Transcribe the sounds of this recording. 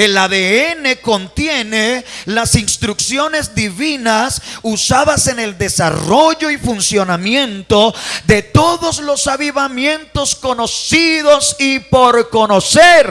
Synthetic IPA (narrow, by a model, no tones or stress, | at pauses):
elaðeene̞ko̞nt̪jenelasinst̪ɾuksjo̞ne̞zðiβinasusaðase̞ne̞ld̪e̞sa̰ro̞ʝo̞ifunsjo̞namjẽ̞nt̪oðe̞t̪o̞ðo̞slo̞saβiβamjẽnt̪o̞sko̞no̞siðosipo̞ɾko̞noseɾ